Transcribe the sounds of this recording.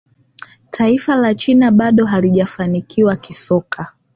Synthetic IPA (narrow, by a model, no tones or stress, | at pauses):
tʰaifalat͡ʃinaɓaɗɔɦaliʄafanikiwakisɔkʰa